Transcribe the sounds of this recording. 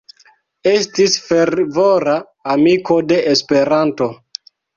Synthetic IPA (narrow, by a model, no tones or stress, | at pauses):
e̞stisfe̞ɾvo̞ɾaː | miko̞de̞ʔespe̞ɾanto̞